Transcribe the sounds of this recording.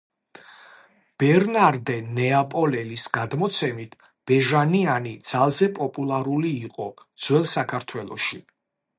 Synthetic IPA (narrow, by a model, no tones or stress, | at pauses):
b̥ɛɾnaɾd̪ɛnɛapʼɔlɛlisɡad̪mɔt̪sʰɛmit̪ʰ | b̥ɛʒanianid̪z̥alˠzɛpʼɔpʼulˠaɾuliːqʼɔ | d̪z̥wɛlˠsakʰaɾt̪ʰwɛlˠɔ̰ʃi